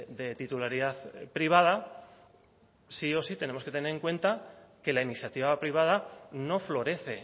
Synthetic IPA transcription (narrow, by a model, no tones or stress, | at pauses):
d̪e̞t̪it̪ulaɾiðaθpɾiβ̞aða | sio̞sit̪e̞ne̞mo̞ske̞t̪e̞ne̞ɾeŋkwe̞nt̪ake̞lainiθjat̪iβapɾiβ̞að̞ano̞flo̞ɾe̞θe̞